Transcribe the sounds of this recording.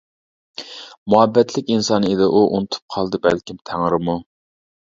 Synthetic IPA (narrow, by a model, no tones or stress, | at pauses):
muɛbːɛt̪ʰlɪkʲinsɑned̪ɪʔuʔunɨt̪ʰu̥p̚qʰɑlˠd̪ɨbæ̰lkʲimt̪ʰæŋɾɪmu